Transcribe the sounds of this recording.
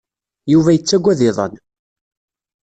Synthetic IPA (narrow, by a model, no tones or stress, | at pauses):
juvæjət͡sːæɡʷːæðɪðˤə̰n